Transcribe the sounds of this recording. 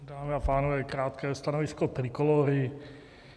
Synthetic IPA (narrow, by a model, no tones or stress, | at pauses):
daːmɪapaːnovɛːkɾaːt̪kɛːst̪anovɪskot̪ɾɪkoloɾɪ